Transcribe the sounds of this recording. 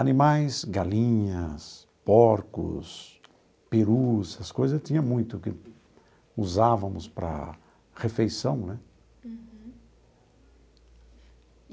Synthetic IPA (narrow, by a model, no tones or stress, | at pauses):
ɐnimajsɡalĩɲɐs | pɔɾkʊ̰s | peɾusɐskojzɐt̪ĩɲɐmũj̃t̪ʊkɪ | uzavɐmʊspɾɐ̰ | hefejsɐ̃w̃nɛ